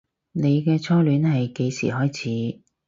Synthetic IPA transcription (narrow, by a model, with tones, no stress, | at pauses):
ne˨˧jkɛː˧t͡sʰɔː˥lyː˨˥nhɐ˨jke˨˧jsḭː˨˩ɦɔː˥jt͡sʰiː˨˧˥